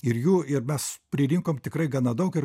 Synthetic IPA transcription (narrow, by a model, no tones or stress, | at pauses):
ɪrjuːɪɾmʲɛspʲɾʲɪlʲɪŋkoːmt̪ʲɪkɾɐɪɡɑːnɑd̪ɐʊkɪr